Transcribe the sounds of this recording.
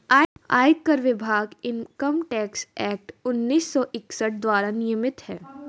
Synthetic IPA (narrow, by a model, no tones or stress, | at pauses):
aːa̰ːjɪk̪̚kɐɾʋɪbʱaːɡɪnkɐmʈɛːksɛːk̚ʈʊnːiːsːɔʔɪksəʈ̚d̪waːɾanɪjəmɪt̪ɦɛː